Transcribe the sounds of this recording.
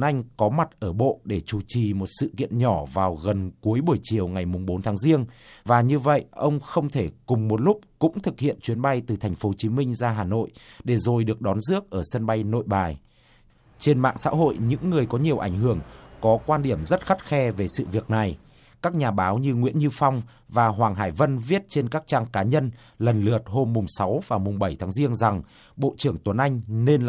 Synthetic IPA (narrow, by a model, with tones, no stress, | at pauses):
nʔa˧jŋ̟kɔ˨˦ma˨˩t̚ʔəː˧˩ɓo̰˧˨ɗe˧˩t͡ɕu˧˩t͡ɕi˨˩mo˨˩t̚sɨ̰˧˨kḭ˧˨ənɲɔ˧˩vaː˨˩wɣə˨˩nku˨˦əjɓu˧˩əjt͡ɕi˨˩əwŋa˨˩jmʊ˨˩ŋ͡mɓo˨˦nt̪ʰːŋzi˧ənvaː˨˩ɲɨ˧və̰˧˨jʔə˧wŋ͡mxə˧wŋ͡mt̪ʰe˧˩kʊ˨˩ŋ͡mmo˨˩t̚lʊ˦˥k͡p̚kʊ̰˧˥ŋ͡mt̪ʰɨ˨˩k̚hḭ˧˨ənt͡ɕwi˨˦ənɓa˧jt̪ɨ˨˩t̪ʰa˨˩ŋ̟fo˨˦t͡ɕi˨˦mï˧ŋ̟zaː˧ɦaː˨˩no̰˧˨jɗe˧˩zo˨˩jɗɨ˨˩ək̚ɗɔ˨˦nzɨ˦˥ək̚ʔəː˧˩sə˧nɓa˧jno̰˧˨jɓaː˨˩j | t͡ɕe˧nma̰ː˧˨ŋsa̰ː˧˥ɦo̰˧˨jɲɨ̰˧˥ŋːɨ˨˩əjkɔ˨˦ɲi˨˩əwʔa˧˩jŋ̟ɦɨ˧˩əŋkɔ˨˦kwaː˧nɗi˧˩əmzə˦˥t̚xa˦˥t̚xɛ˧ve˨˩sɨ̰˧˨vi˨˩ək̚na˨˩j | kaː˦˥k̚ɲaː˨˩ɓaː˨˦wɲɨ˧ŋwḭ˧˥ənɲɨ˧fɔ˧wŋ͡m | vaː˨˩ɦwaː˨˩ŋɦaː˧˩jvə˧nvi˦˥ət̚t͡ɕe˧nkaː˦˥k̚t͡ɕaː˧ŋkaː˨˦ɲə˧n | lə˨˩nlɨ˨˩ət̚ho˧mːʊ˨˩ŋ͡msa˨˦wvaː˨˩mʊ˨˩ŋ͡mɓə˧˩jt̪ʰaː˨˦ŋzi˧ənza˨˩ŋ | ɓo̰˧˨t͡ɕɨ˧˩əŋt̪wə˨˩˦nʔa˧jŋ̟ne˧nl